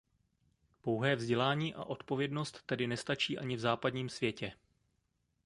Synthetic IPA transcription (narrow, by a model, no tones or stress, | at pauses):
po̞wɦɛːvzɟɛlaːɲiːʔa̰ʔo̞t̪po̞vjɛdno̞st̪ːɛdɪnɛst̪at͡ʃiːʔaɲɪvzaːpadɲiːmsvjɛcɛ